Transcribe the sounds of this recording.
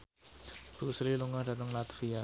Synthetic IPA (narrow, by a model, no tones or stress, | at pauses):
b̥usliluŋahdanuŋlat̪fia